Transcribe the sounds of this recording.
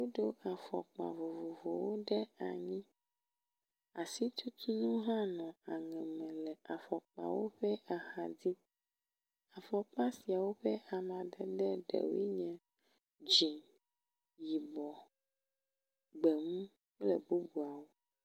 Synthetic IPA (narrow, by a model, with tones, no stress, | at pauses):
wo˦ɖo˦ʔa˨fɔ̰˨k͡pa̰˨vo˨vo˨vo˨wo˦ɖɛ˦a˨ɲĩ˦ | a˨si˦t̪ʰu˦t̪ʰu˦nũ˦ɦã˦nɔ̃˨a˨ŋɛ̃˨mɛ̃˨lɛ˨ʔa˨fɔ˨k͡pa̰˨wo̰˦ɸɛ˦a˨xa˨d̪i˦ | a˨fɔ˨k͡pa˦si˨a˨wo˦ɸɛ˦a˨mã˨d̪ɛ˨ɖɛ˦ɖɛ̰˨wḭ˦ɲɛ̃˨ | d͡ʒi˨ | ji˨bɔ˨ | ɡ͡bɛ˨mũ˦ | k͡plɛ̰˨bu˦bu˨a˨wo˦